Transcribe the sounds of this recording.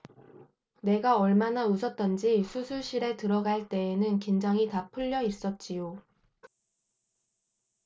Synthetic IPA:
ne̞ɡaʌɭmanausʰʌt̚t͈ʌnd͡ʑisʰusʰuɭɕ͈ʰiɾe̞tɯɾʌɡaɭt͈e̞ːnɯnkind͡ʑaŋitapʰɯʎːʌis͈ʌt̚t͡ɕ͈ijo

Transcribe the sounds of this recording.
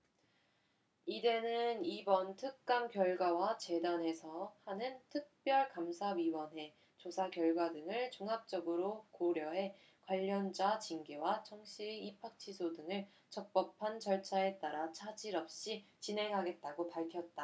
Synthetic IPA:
ide̞nɯnibʌntʰɯk̚k͈amkjʌɭɡwawat͡ɕe̞dane̞sʰʌhanɯntʰɯk̚p͈jʌɭkamsʰaɥiwʌnɦe̞ | t͡ɕosʰakjʌɭɡwadɯŋɯɭt͡ɕuŋɦap̚t͡ɕ͈ʌɡɯɾokoɾjʌɦe̞ | kwaʎːʌnd͡ʑat͡ɕiŋɡewat͡ɕʰʌŋɕ͈ʰiipʰak̚t͡ɕʰisʰodɯŋɯɭ | t͡ɕʌk̚p͈ʌpʰant͡ɕʌɭt͡ɕʰae̞t͈aɾat͡ɕʰad͡ʑiɾʌp̚ɕ͈it͡ɕinɦe̞ŋɦaɡe̞t̚t͈aɡopaɭkʰjʌt̚t͈a

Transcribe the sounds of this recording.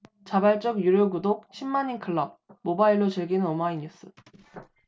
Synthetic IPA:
t͡ɕabaɭt͡ɕ͈ʌɡjuɾjoɡudok̚ɕʰimːaɲinkʰɯɭːʌb̚mobaiɭːot͡ɕeɭɡinɯnomaiɲus͈ɯ

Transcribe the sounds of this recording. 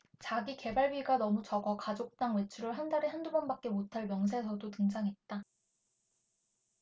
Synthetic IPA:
t͡ɕaɡike̞baɭɥiɡanʌmut͡ɕʌɡʌkad͡ʑok̚t͈aŋwe̞t͡ɕʰuɾɯɭɦandaɾeɦandubʌnbak̚k͈e̞motʰaɭmjʌŋs̬ʰe̞sʰʌdotɯŋd͡ʑaŋɦe̞t̚t͈a

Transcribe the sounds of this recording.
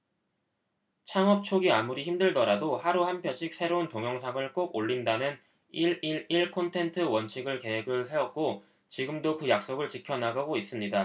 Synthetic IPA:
t͡ɕʰaŋɦʌp̚t͡ɕʰoɡiamuɾiçimdɯɭdʌɾadohaɾuhanpʰjʌɕʰik̚s͈ʰe̞ɾountoŋjʌŋsʰaŋɯɭk͈oɡoʎːindanɯn | iɭiɭiɭkʰontʰe̞ntʰɯwʌnt͡ɕʰiɡɯɭke̞ɦe̞ɡɯɭsʰe̞wʌt̚k͈o | t͡ɕiɡɯmdokɯjak̚s͈oɡɯɭt͡ɕikʰjʌnaɡaɡois͈ɯmɲida

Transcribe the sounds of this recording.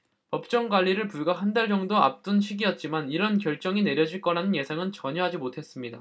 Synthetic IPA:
pʌp̚t͡ɕ͈ʌŋɡwaʎːiɾɯɭpuɭɡaɦandaɭd͡ʑʌŋdoa̰p̚t͈ɯnɕʰiɡijʌt̚t͡ɕ͈imaniɾʌnkjʌɭt͡ɕ͈ʌŋine̞ɾjʌd͡ʑiɭk͈ʌɾanɯnje̞sʰaŋɯnt͡ɕʌɲʌɦad͡ʑimotʰe̞s͈ɯmɲida

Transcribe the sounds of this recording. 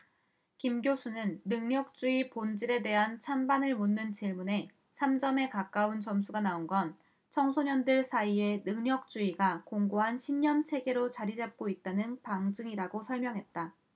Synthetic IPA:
kimɡjosʰunɯnːɯŋɲʌk̚t͡ɕ͈uipond͡ʑiɾe̞de̞ɦant͡ɕʰanbanɯɭmunːɯnt͡ɕiɭmune̞ | sʰamd͡ʑʌme̞kak͈aunt͡ɕʌmsʰuɡanaonɡʌn | t͡ɕʰʌŋsʰoɲʌndɯɭsʰaie̞nɯŋɲʌk̚t͡ɕ͈uiɡakoŋɡoɦanɕʰiɲːʌmt͡ɕʰe̞ɡe̞ɾot͡ɕaɾid͡ʑap̚k͈oit̚t͈anɯnpaŋd͡ʑɯŋiɾaɡosʰʌɭmjʌŋɦe̞t̚t͈a

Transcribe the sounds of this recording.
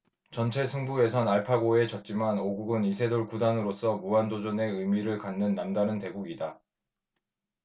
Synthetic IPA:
t͡ɕʌnt͡ɕʰe̞sʰuŋbue̞sʰʌnaɭpʰaɡoe̞t͡ɕʌt̚t͡ɕ͈imanoɡuɡɯnisʰe̞doɭkudanɯɾos͈ʌmuandod͡ʑune̞ɯjmiɾɯɭkanːɯnːandanɯnte̞ɡuɡida

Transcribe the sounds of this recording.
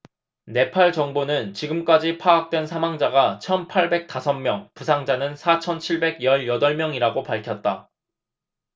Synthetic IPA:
ne̞pʰaɭt͡ɕʌŋbonɯnt͡ɕiɡɯmk͈ad͡ʑipʰaak̚t͈we̞nsʰamaŋd͡ʑaɡat͡ɕʰʌnpʰaɭbe̞k̚t͈asʰʌmmjʌŋpusʰaŋd͡ʑanɯnsʰat͡ɕʰʌnt͡ɕʰiɭbe̞ɡjʌɭjʌdʌɭmjʌŋiɾaɡopaɭkʰjʌt̚t͈a

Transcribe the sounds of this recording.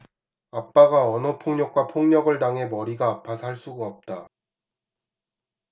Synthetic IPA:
ap͈aɡaʌnʌpʰoŋɲʌk̚k͈wapʰoŋɲʌɡɯɭtaŋɦe̞mʌɾiɡaːpʰːasʰaɭs͈uɡaʌp̚t͈a

